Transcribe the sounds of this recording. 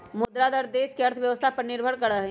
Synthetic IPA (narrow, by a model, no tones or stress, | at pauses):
mʊd̪ɾad̪əɾd̪eːskeɐɾt̪ʰʋjɐʋəst̪ʰapɐɾnɪɾbʱəɽkɐɾaɦɛ